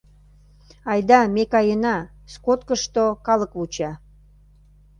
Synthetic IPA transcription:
ɑjd̪ɑmekɑjənɑ | skot̪̚kəʃt̪okɑlə̆kβut͡ɕɑ

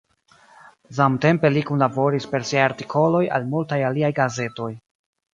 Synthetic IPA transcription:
samte̞mpe̞likunlabo̞ɾispe̞ɾsiajaɾtikʰo̞lo̞ja̰lmultajaliajɡaze̞to̞j

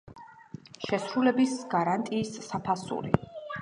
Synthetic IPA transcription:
ʃɛsɾulɛbisɡ̥aɾant̪ʼiːsːapʰasṵɾḭ

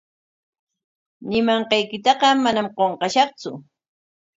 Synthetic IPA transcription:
nɪmɑɴqɑjkɪt̪ɑqɑmanamqoɴqɑʃɑχt͡sʊ

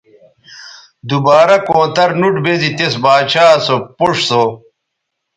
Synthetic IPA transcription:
d̪ubaːɾɐkõːt̪ɐɾnuʈbezit̪esbaːt͡ɕaːsopuʂso

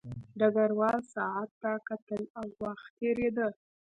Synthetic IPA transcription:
ɖaɡaɾwɑlsɑat̪ːakat̪əlawːaxeɾed̪ə

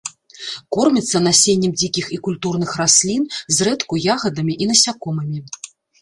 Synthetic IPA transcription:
kɔrmʲit̪sːɐnasʲenʲːɐmd͡zʲikʲixikulʲt̪urnɨxrasʲlʲinzrɛt̪kujaɣɐd̪ɐmʲiʔinɐsʲakɔmɐmʲi

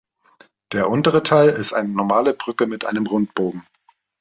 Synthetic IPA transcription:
d̥eːɐʔʊntəʁ̞ətʰaɪlɪstʔa̰ɪnənɔɐmaːləbʁʏkəmɪtʔa̰ɪnəmʁʊnt̚b̥oːɡŋ̩

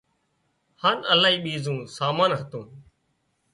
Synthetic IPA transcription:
haːnəlaːɦiːɓiːzũːsaːmaːnɦət̪ũː

